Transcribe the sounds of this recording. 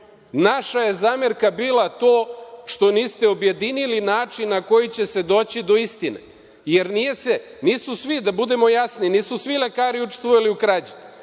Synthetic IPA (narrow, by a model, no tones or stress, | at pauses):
naʃaje̞zaːmeɾkabiːlˠat̪o̞ːʃt̪o̞niːst̪e̞obje̞d̪inilinaːt͡ʂinːako̞jit͡ɕe̞se̞d̪o̞ːt͡ɕid̪o̞ist̪inḛ | je̞ɾnijese | niːsusʋid̪abud̪e̞mo̞jasniniːsusʋile̞kaːɾiut͡ʃe̥st̪ʋojaliukɾad͡ʑe